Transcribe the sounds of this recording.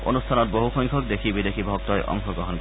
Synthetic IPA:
o̰nust̪ʰanoɾboɦuxɔjŋkʰok̚d̪ekʰibid̪ekʰibʱɔk̚t̪ɔeʔɔ̰ŋkʰoɡɾoɦonk

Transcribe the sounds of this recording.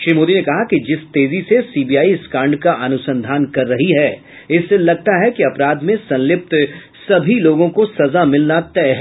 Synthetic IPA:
ʃɾiːmoːd̪inekɐɦakid͡ʒɪst̪eːzisesiːbijaːiskãːɳɖkaʔɐnʊsə̃nd̪ʱaːnkɐɾːɐɦiɦɛː | ɪsːelɐɡ̚t̪aɦɛkiɐpɾaːd̪mẽsɐ̃nlɪp̚t̪ | sɐbʱiloːɡõkosɐzamɪlnat̪ɛːɦɛ

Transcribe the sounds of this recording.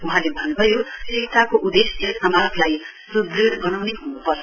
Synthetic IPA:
uɦãlebʱʌnːubʱʌjoit̪akoʔud̪eseamaklaj | sud̪liɡʌnawneɦunupʌr

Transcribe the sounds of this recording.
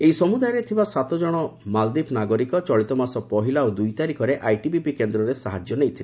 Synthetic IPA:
eisɔmud̪ajɔɾet̪ʰibasat̪ɔd͡ʒɔɽ̃ɔmald̪ipʰnaɡɔɾikɔt͡ʃɔɭit̪ɔmasɔpɔɦilaod̪ujt̪aɾikɔɾeʔajʈibipikend̪ɾɔɾesaɦad͡ʒjɔnejt̪ʰile

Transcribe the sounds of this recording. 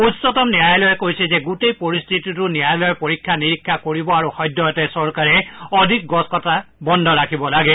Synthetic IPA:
utsɔtɔmniajlɔjɛkojsɛzɛɡutejpoɹist̪ʰititʊniajlɔjɔpoɹikʰːaniɹikʰːakoɹibɔaɹuxɔjdːɔɔtɛsɔɹkaɹɛɔdʱik̚ɡɔskɔtabɔndʱɔɹakʰibɔlaɡɛ

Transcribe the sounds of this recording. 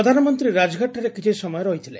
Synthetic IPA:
od̪ʱanɔmɔnt̪ɾiɾad͡ʒɡʱaʈːaɾekit͡ʃʰesɔmɔjɔɾɔɦit̪ʰile

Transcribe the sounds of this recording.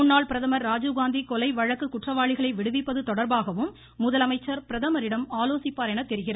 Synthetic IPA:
ʊnːaːɭpɪɾɐðɐmɐɾːaːd͡ʒuɣaːnd̪ikɔlɐɪʋɐɻɐkːɯkːʊʈrɐʋaːɭɪɣɐɭɐɪʋɪɽɯʋɪpːɐðɯt̪ɔɽɐɾbaːɣɐʋɯmː | ʊðɐlɐmɐɪt͡ʃːɐɾpɪɾɐðɐmɐɾɪɽɐmaːloːsɪpːaːɾɛnɐt̪ːɛɾɯɣɪrɐ

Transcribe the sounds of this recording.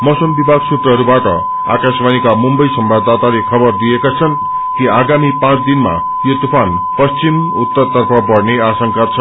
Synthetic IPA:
mʌsʌmbibʱaɡsut̪rʌɦʌɾubaʈʌ̰ | a̰kasbanikamumbʌjsʌmbʱabd̪at̪alekʰʌbʌrd̪ijekat͡sʰʌn | kiaɡamipãt͡sʰd̪inma̰ | jot̪upʰan | pʌst͡sim | ut̪ːʌrt̪ʌrpʰʌbʌɽneasʌŋkat͡sʰʌ

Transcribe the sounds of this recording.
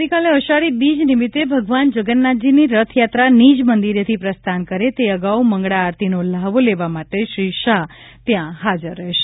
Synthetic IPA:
ɾikaleəʃaɽibid͡ʒnimit̪ebʱəɡʋand͡ʒəɡənːad͡ʒiniɾət̪ʰjat̪ɾanid͡ʒmənd̪iɾjət̪ʰipɾəst̪ʰankəɾet̪eəɡauməŋɡɽaːɾt̪inolaʋoleʋamaʈeʃɾiʃaɦ | t̪jãɦad͡ʒəɾːəɦeʃe̥

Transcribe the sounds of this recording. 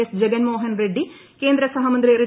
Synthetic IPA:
ɐsd͡ʒɛɡɐnmoːɦɐnɾeɖːikeːnd̪ɾɐsɐɦɐmɐnd̪ɾiɾi

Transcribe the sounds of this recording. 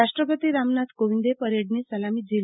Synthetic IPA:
aʂʈɾəpət̪iːɾamnat̪koʋind̪epəɾeɽniːsəlamiːd͡ʑil

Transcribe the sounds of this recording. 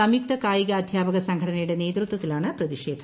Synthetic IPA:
ɐmjik̚t̪ɐkaːjiɣɐːd̪ʱjaːbɐɣɐsɐŋɡʱɐɽɐnɐjuɽe̞ne̞ːd̪rut̪wɐt̪ːilaːɳɨprɐðiʂe̞ːd̪ʱʰɐ

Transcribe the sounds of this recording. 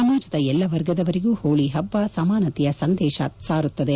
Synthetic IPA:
sɐmaːd͡ʒɐd̪ɐɛlːɐʋɐɾɡɐd̪ɐʋɐɾiɡuːhoːɭiɦɐbːaːsɐmaːnɐt̪ijɐsɐnd̪ɛːʃɐsaːɾut̪ːɐd̪e

